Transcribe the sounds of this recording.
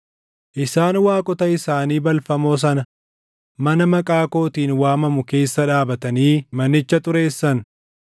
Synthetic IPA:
ʔɪsaːnwaːkʼɔt̪ɐɪsaːniːbɐlfɐmo̞ːs̬ɐnɐ | mɐnɐmɐkʼaːko̞ːt̪iːnwaːmɐmʊke̞ːsːɐᶑaːbɐt̪ɐniːmɐnːɪt͡ʃːɐt̪ʊɾe̞ːsːɐn

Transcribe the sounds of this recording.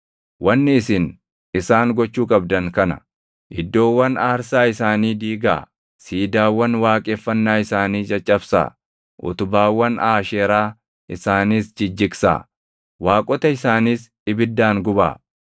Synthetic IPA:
wɐnːɪːsɪn | ɪsaːŋɡɔt͡ʃːuːkʼɐbd̪ɐŋkɐnɐ̥̰ | ʔɪd̪ːo̞ːwːɐnaːɾsaːɪsaːniːd̪iːɡa̰ː | siːd̪aːwːɐnwaːkʼe̞ːfːɐnːaːɪsaːniːd͡ʒʼɐt͡ʃʼːɐbsa̰ː | ʔʊ̰t̪ʊbaːwːɐnʔaːʃeːɾaː | ʔɪsaːniːsd͡ʒɪd͡ʒːɪksa̰ː | waːkʼɔt̪ɐɪsaːniːs | ɪbɪd̪ːaːŋɡʊba̰ː

